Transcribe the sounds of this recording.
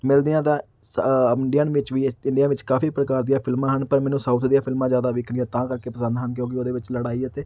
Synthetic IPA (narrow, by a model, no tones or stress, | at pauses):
mɪld̪iãːt̪ãː | sɪɳɖijaːnʋɪt͡ʃʋiːɪɳɖijaːʋɪt͡ʃkaːfʰiːpɾəkaːɾd̪ijaːpʰɪlmãːɦənpəɾmɛ̃ːnũːsaːut̪ʰd̪ijãːpʰɪlmãːzjaːd̪aːʋɪkʰɽiãːt̪ãːkəɾkeːpəsə̃nd̪ɦənk̬jõːk̬ɪoːd̪eːʋɪt͡ʃləɽaːiːɛːt̪eː